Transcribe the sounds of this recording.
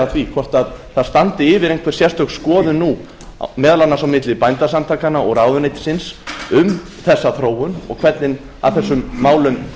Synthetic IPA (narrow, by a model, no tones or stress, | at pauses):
aθvikʰvɔr̥t̪aðθaðst̪ant̪ɪɪːvɪɾejŋkʰvɛɾ̥sjɛ̥st̪œxskɔːðʏnːu | mɛːðalanːasawmɪt̪lɪpajnt̪asant̪ʰaːkanaɔɣɾaːwðʏnejt̪ɪ̥sɪnsʏm | θɛsːaθɾoːwʏnɔ̰ɣkʰvɛt̪nɪn | a̰vθɛsːʏmːaːwlʏm